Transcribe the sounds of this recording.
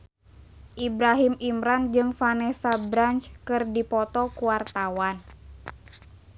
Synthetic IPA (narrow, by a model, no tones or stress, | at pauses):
ʔibɾaɦimimɾand͡ʒɨŋfanɛsabɾant͡ʃkɨrdipɔt̪ɔkuwart̪awan